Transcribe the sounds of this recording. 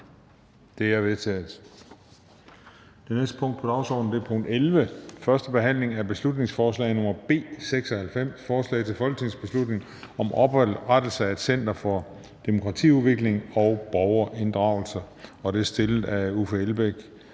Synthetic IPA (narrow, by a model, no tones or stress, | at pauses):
d̥e̝æɐʋe̝ðˠt͡sʰɛ̰ːð̩ˠ | d̥enesd̥ə̥pʰɔ̽ŋ̰d̥pʰɒ̽d̥ɑ̈ʊsɒ̰ːd̥n̩d̥e̝æɐpʰɔ̽ŋ̰d̥elʋəfɶɐsd̥əb̥e̝ɦæn̰le̝ŋæb̥e̝slud̥ne̝ŋsfɒːslɛ̰ɪnɔ̽m̰ɐb̥e̝̰ːseɡ̥sɒhælfem̰sfɒːslɛ̰ɪt͡sʰe̝lfɒ̽lɡ̥ə̥t͡sʰe̝ŋsb̥e̝slud̥ne̝ŋ | ɒ̽mʔɒ̽b̥ʁad̥l̩səæed̥sen̰d̥ɐfɒ | d̥e̝mo̝kʰʁɑ̈t͡sʰḭːuðˠʋe̝ɡ̥le̝ŋɒ̽ʊb̥ɒʊɐʔe̝nd̥ʁɑ̈ʊl̩sɐ | ɒ̽d̥e̝æɐsd̥e̝ləð̩ˠæufeelb̥eɡ̥